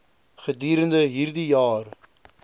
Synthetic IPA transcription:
χəd̪iːɾəndəɦiːrd̪ijɑːr

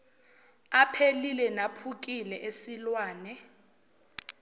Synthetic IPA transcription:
apʰelilɛnapʰuk̬ʼilɛʔesilwaːnɛ

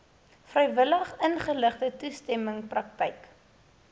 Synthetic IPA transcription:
frəjvələχənχələχdətustɛməŋprɐk̚tɛjk

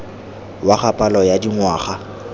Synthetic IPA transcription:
waχapʼalɔjadiŋwaːχa

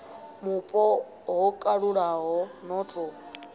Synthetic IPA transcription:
mupʼɔ | ɦɔkʼaɺuɺaɦɔnɔtʰɔ

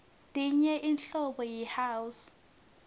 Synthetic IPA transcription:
tʼiɲɛʔinɬɔɓɔjɛhaːwus

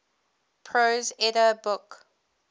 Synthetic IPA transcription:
pʰɹozɛdəbʊk

